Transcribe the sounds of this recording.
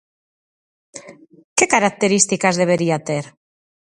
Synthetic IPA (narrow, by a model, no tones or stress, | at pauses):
kekaɾak̚t̪eɾist̪ikazðeβ̞eɾiat̪eɾ